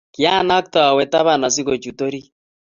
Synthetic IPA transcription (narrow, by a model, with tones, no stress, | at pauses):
kja˦na˦k̚ta˨a˨wɛ˨ta˦βa˨na˨s̬i˦ɣo˨t͡ʃu˨to˦ɾi˦